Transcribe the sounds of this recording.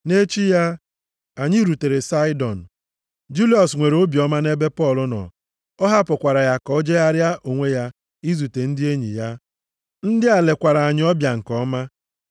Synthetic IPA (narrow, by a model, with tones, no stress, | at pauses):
ne˦t͡ʃi˦ja˦ | a˨ɲi˦ɾu˨te˨ɾe˨sa˦ɪ˦dɔ˨n̩˨ | d͡ʒu˦li˦ɔ˨sŋʷe˨ɾo˦bjɔ˦ma˦ne˦be˦pɔ˦˨lʊ˦nɔ̰˨ | ɔ˦ɦa˦pʊ˨kʷa˨ɾa˨ja˨kɔ˦d͡ʒe˦a˦ɾja˦ʔo˨ŋʷe˦ja˦ | i˦zu˨te˨n̩˦dɪ˦e˦ɲḭ˨ja˦ | n̩˦dɪ˦a˨le˨kʷa˨ɾa˨a˨ɲɪ˦ɔ˦bja˨ŋ̩˨kɔ˦ma˦